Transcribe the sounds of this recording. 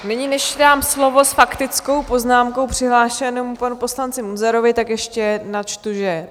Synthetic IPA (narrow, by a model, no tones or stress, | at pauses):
nɛɲɪnɛʃdaːmslo̞vo̞sfakt̪ɪt͡sko̞wpo̞znaːmkowpr̥ɪɦlaːʃɛnowpanupo̞slant͡sɪmuzɛɾovɪt̪akjɛʃcɛnat͡ʃt̪uʒɛ